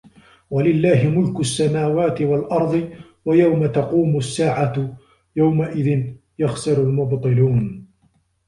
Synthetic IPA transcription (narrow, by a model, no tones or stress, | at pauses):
walɪlːaːɦɪmʊlkʊsːamaːwaːt̪ɪwalʔɑɾˤd̪ˤɨ | wajawmat̪ɑquːmʊsːaːʕa | jawmaʔɪðɪn | jɑxsɨɾalmʊbt̪ˤɨluːn